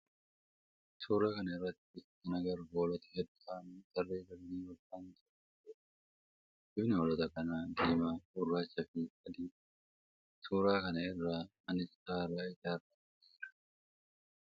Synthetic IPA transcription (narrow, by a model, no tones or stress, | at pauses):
t̪ʰuːɾakɐnɐɪrːɐt̪ːɪ | ɪnɐɡɐɾboːlɔt̪ɛ̥hɛd̪ʊaːnt̪ɐrːeːbɐlːiːwɔbaːnt̪ɔɐtɛ | dɪbnɪhɔlɔt̪ɐkɐnaːd̪iːmaːturːaːt͡ʃːɐfɪɐd̪i̥ː | t̪ʰuːɾaːkɐnɐɪrːaːmɐnɪst̪aːɾaːɪt̪aːrɐ | iːɾɐ̥